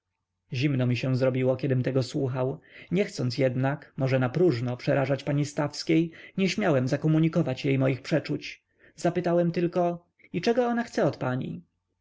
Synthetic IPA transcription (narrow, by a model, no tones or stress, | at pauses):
ʑimnɔmʲiɕɛw̃zɾɔbʲiwɔkʲɛd̪ɘmt̪ɛɡɔswuxawɲɛxt̪sɔnt̪s̬ʲjɛd̪nakmɔʐɛnapɾuʐnɔpʂɛɾʔaʐat͡ɕpaɲist̪afskʲejɲɛɕmʲjawɛmzakɔmuɲikɔvat͡ɕjejmɔjixpʂɛt͡ʂut͡ɕ | z̥apɘt̪awɛmt̪ɘlkɔ | it͡ʂɛɡɔɔnaxt̪sɛɔt̪paɲḭ